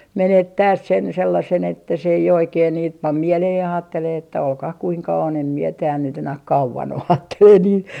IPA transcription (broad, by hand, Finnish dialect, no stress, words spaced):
menetːæːs sen selːɑsen etːæ se ei oikeːn niːt pɑm mieleheh jɑ ɑːtːeleː etːæ olkɑh kuiŋkɑ on em mie tæːl nyt enæh kɑuʋɑn o ɑːtːeleː niːn